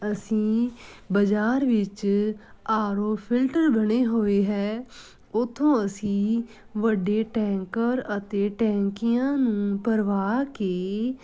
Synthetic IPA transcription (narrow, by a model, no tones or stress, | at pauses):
əsĩːbəd͡ʒaːɾʋɪt͡ʃ | aːɾoːpʰɪlʈəɾbəɽeːɦoːeːɦɛː | ʊt̪ʰːõːəsĩː | ʋəɖeːʈɛ̃ːŋkəɾət̪eːʈɛ̃ːŋkɪjãːnũːpəɾʋaːkeː